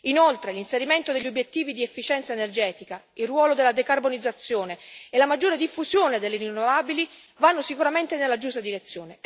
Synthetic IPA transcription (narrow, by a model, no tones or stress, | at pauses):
inolt̪ɾelinseɾiment̪od̪eʎːobjet̪ːiːvid̪iefːit͡ʃɛnt̪saenerd͡ʒɛːt̪ika | ilrwɔːlod̪elːad̪ekarbonid̪zːat̪sːjoːneelːamad͡ʒːoːɾed̪ifːuzjoːned̪elːeɾinːovaːbili | vanːosikuɾament̪enelːad͡ʒust̪ad̪iɾet̪sːjoːne